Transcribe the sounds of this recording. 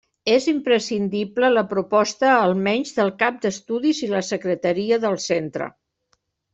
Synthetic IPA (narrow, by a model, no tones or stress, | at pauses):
ezimpɾəsind̪iplələpɾupɔst̪əːlˠmɛɲʲzðəlˠkap̚d̪əst̪uðiziləsəkɾət̪əɾiəðəlˠsent̪ɾə̰